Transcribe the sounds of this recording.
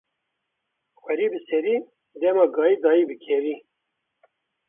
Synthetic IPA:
xʷɛɾiːbɨsɛɾiː | d̪ɛmɑːɡɑːjiːd̪ɑːiːbɨkʰɛviː

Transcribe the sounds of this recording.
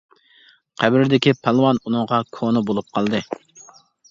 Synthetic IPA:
qʰæbɾɪd̪ɪkʲipʰɑlˠwɑnunɨŋʁɑkʰonɨbolˠup̚qʰɑlˠd̪ɨ

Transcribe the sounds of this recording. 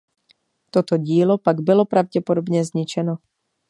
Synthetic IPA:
t̪ot̪o̞ɟiːlo̞paɡbɪlo̞pɾavɟɛpodobɲɛzɲɪt͡ʃɛno

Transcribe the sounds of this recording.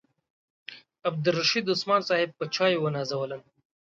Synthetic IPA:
ɐb̚d̪ʊɾːɐʃid̪ʊsmɑːnsɑːhɪb̚pət͡ʃʰɑːjewənɑːzɐwələn

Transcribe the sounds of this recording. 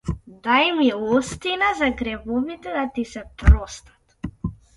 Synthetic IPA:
d̪ajmilˠɔst̪inazaɡɾɛbɔvit̪ɛd̪at̪isɛt̪ɾɔst̪ḁt̪

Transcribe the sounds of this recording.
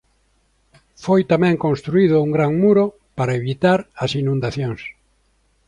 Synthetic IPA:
fojt̪amɛ̃ŋkõnst̪ɾuiðʊuŋɡɾaŋmuɾo | paɾaeβit̪aɾɐsinũnd̪aθjõŋs

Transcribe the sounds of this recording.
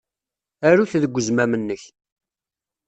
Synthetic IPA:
æɾuθðəɡʷːəzmæmənːəç

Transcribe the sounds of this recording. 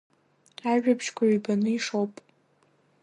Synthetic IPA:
aʒᶣapʰʃkʷʰaɥibanɨiʂowpʼ

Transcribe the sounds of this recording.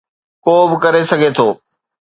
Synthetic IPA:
koːbɪkɐɾesɐɡʱet̪ʰoː

